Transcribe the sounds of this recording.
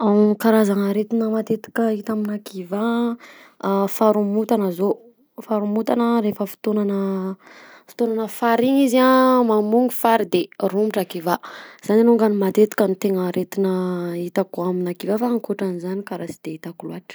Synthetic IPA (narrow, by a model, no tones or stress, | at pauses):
amkaɾazaŋaɾet̪inəmat̪et̪i̥kəit̪aminakiva | faɾumut̪anəzo | faɾumut̪anəɾefəfi̥t̪onanə | fi̥t̪onanəfaɾiŋizamamuŋifaɾid̪erumʈ͡ʂakivaz̥aninuŋɡanimat̪et̪i̥kʲənit̪eŋaɾet̪inəit̪akuaminakivafaŋkoʈ͡ʂanizanikaɾazid̪̥eit̪akuluaʈ͡ʂə̥